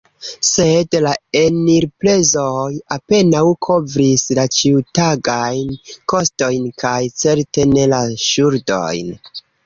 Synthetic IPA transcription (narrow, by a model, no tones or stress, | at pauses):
se̞dlae̞niɾple̞zojape̞nawkʰo̞vɾislat͡ʃitaɡajnko̞sto̞jnkajt͡se̞ɾte̞ne̞laʃuɾdo̞̰jn